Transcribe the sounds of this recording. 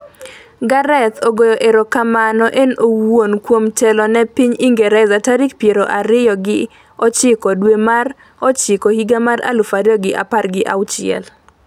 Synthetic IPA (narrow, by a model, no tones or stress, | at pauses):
ɡaɾɛt̪ʰoɡojoʔeɾokamanɔʔenowonkwomtɛlɔnɛpiɲiŋɡɛɾɛzataɾikpjeɾoʔaɾɪjɔɡɪ | ɔt͡ʃɪkɔdwemar | ɔt͡ʃɪkɔhiɡamaɾa̰lʊfaɾɪɔɡɪʔa̰parɡɪʔa̰wt͡ʃɪɛ̰l